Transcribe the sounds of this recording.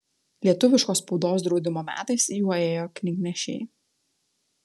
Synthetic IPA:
lʲiɛt̪ʊʋʲɪʃkoːspɔʊd̪oːs̬d̪ɾɒʊd̪ʲɪmoːmʲæ̰ːt̪ɐɪsjuːeːjoːkʲnʲɪknʲɛʃʲḛː

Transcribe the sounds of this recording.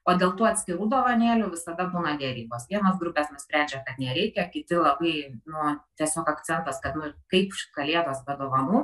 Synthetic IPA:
oːdʲeːlˠt̪uːɐtʲsʲkʲɪɾuːd̪oːʋɐnʲeːlʲʊʋʲɪsɐd̪ɐbuːnɐd̪ʲɛɾʲiːboːsʋʲiɛnɐsɡɾʊpʲɛːsnʊsʲpʲɾʲæˑnʲd͡ʒʲɛkɐt̪nʲɛɾʲɛɪkʲɛkʲɪt̪ʲɪlˠɐbɐɪnʊt̪ʲiɛsʲoːkɐktt͡s̪ʲɛnt̪ɐskɐt̪nʊkɐɪpʃkɐlʲeɛd̪oːsbʲɛd̪oːʋɐnuː

